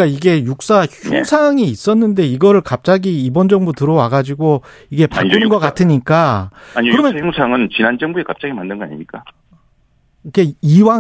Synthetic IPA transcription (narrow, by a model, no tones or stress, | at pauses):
k͈aiɡe̞juk̚s͈açuŋsʰaŋiːs͈ʌnːɯnde̞iɡʌɾɯɭkap̚t͡ɕ͈aɡiibʌnd͡ʑʌŋbotɯɾʌwaɡad͡ʑiɡo | iɡe̞paa̰ɯnɯnɡʌk͈atʰɯɲik͈aaɲikɯɾʌmʌsʰaŋɯnt͡ɕinand͡ʑʌŋbuekap̚t͡ɕ͈aɡimandɯnɡʌna̰ɲimɲik͈a | ike̞iwa